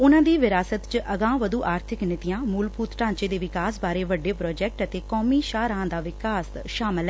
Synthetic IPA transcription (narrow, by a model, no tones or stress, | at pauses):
ʊnãːd̪iːʋɪɾaːsət̪t͡ʃʔəɡãːʋəd̪uːʔaːɾt̪ʰɪknɪt̪ɪjãːmuːlpuːt̪ʈãːt͡ʃeːd̪eːʋɪkaːsbaːɾeːʋəɖːeːpɾɔːd͡ʒɛːk̚ʈət̪eːkɔːmiːʃaːɾaãːd̪aːʋɪkaːs | ʃaːmɪlɛ